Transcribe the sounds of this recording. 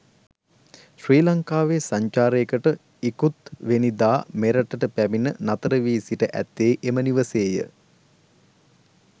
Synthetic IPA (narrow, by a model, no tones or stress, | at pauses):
ʃriːlaŋkaːʋeːsaɲt͡ʃaːɾekəʈə | ikut̪ʋenid̪aːmeɾəʈəʈəpæminənat̪əɾəʋiːsiʈəʔæ̰t̪ːeːʔeməniʋəseːjə̰